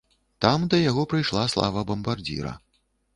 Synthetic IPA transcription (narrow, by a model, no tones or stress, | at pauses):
t̪amd̪ɐjaɣɔpɾɨjʂlˠaslˠa̰vɐbɐmbard͡zʲḭɾɐ̰